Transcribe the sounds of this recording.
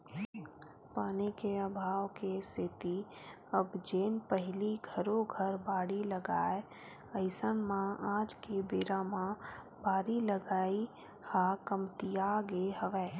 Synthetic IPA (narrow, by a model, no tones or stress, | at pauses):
paːnikeəbʱaːʋkesɪt̪i | əbd͡ʒeːnpəɦɪliɡʱəɾõɡʱəɾbaːɽiləɡa̰ːe | əɪsənmãaːd͡ʒkebeːɾamã | baːɽiləɡaːi | haːkəmt̪ijaɡeɦəʋɛː